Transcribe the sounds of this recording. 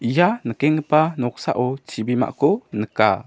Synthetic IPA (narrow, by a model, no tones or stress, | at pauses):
ʔijanəkɛŋəpanɔk̚sa̰ʔɔt͡ʃibima̰ʔkɔnəka̰